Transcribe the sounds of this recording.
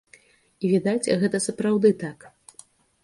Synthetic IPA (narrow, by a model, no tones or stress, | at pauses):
ivʲid̪at͡sʲɣɛt̪ɐsɐpɾawd̪ɨt̪ak